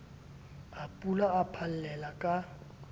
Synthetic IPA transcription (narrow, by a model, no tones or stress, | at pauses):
apʼulaːpʰal̩lɛlakʼa